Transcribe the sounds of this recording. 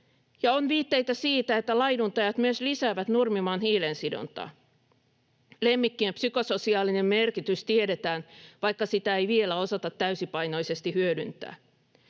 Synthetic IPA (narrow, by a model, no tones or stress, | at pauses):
jɑonʋiːt̪ːe̞jt̪æsiːt̪æet̪ːælɑjdunt̪ɑjɑt̪myøslisæːʋæt̪nurmimɑːnhiːlensido̰nt̪ɑ̰ː | lemːikːiempsyko̞so̞siɑːline̞mmerkit̪yst̪ieɾet̪æːnʋɑjkːɑsit̪æejʋielæo̞sɑt̪ɑt̪ːæysipɑjno̞ise̞st̪ihyødynt̪ˑæ̰ː